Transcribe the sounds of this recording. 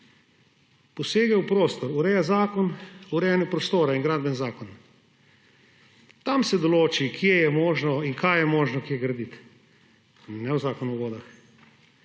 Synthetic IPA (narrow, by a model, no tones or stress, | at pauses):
pɔseːɡɛwpɾoːst̪ɔɾuɾɛjazaːkɔnuɾɛjanjɛpɾɔst̪oːɾainɡɾaːd̪bɛnzaːkɔn | t̪amsɛd̪ɔloːt͡ʃikjejɛmoːʒnɔiŋkaːjjɛmoːʒnɔkjeɡɾad̪it̪ | nɛwzaːkɔnuɡoːd̪ax